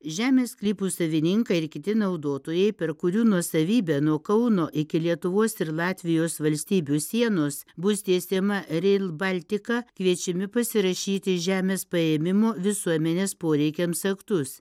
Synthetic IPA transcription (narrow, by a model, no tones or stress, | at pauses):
ʒʲæːmʲeːsklʲiːpuːsɐʋʲɪnʲɪŋkɐɪɾkʲɪt̪ʲɪnɐʊd̪oːt̪oːjɛɪpʲɛɾkʊɾʲuːnuɔsɐʋʲiːbʲænuɔkɐʊnoːʔɪkʲɪlʲiɛt̪ʊʋoːsɪɾlˠɑːt̪ʲʋʲɪjoːsʋɐlʲsʲt̪ʲiːbʲuːsʲiɛnoːsbʊsʲt̪ʲiɛsʲeːmɐɾʲɛlˠbɐlʲt̪ʲɪkɑːkʋʲiɛt͡ʃʲɪmʲɪpɐsʲɪɾɐʃʲiːt̪ʲɪʒʲæːmʲeːspɐeːmʲɪmoːʋʲɪsuɔmʲɛnʲeːspoːɾʲɛɪkʲɛmsɐkt̪ʊs